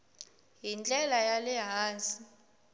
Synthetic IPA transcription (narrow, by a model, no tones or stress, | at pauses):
ɦind͡ɮʼɛlajalɛɦaːnsi